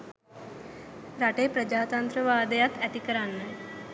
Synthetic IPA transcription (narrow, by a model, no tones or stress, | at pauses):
ɾaʈepɾəd͡ʑat̪ant̪ɾəʋaːd̪jat̪ɛt̪ikəɾanːa